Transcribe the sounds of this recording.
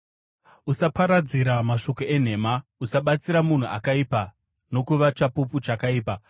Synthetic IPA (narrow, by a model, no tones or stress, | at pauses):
usapaɾad͡ziɾamaʃo̞ko̞e̞n̤e̞ːmausaɓat͡siɾamun̤ua̰kaipa | no̞kuʋat͡ʃapuput͡ʃakaiːpa